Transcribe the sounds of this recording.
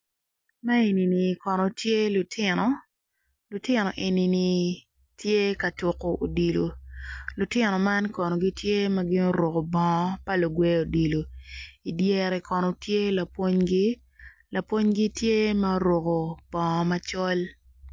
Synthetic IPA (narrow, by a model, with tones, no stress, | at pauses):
ma˦e˨ni˨ni˨kɔ˨nɔ˨tʰje˦lʊ˨tʰɪ˦nɔ˨ | lʊ˨tɪ˦nɔ˨ʔe˨ni˨ni˨ | tje˦ka˨to˨ko˨ʔo˨di˨lo˨lʊ˨tɪ˦nɔ˨ma˦nkɔ˨nɔ˨ɡi˦tje˦ma˦ɡɪ˦no˦ɾo˨ko˨bɔ˨˦pa˦lo˨ɡwe˦o˨di˨lo˨i˨dje˦ɾɛ˨kɔ˨nɔ˨tʰje˦la˨pwo˦ɲɡi˦ | la˨pwo˦ɲɡi˦tje˦ma˦ɾo˨ko˨b̥ɔ̃˨ma˦t͡ʃɔ˦l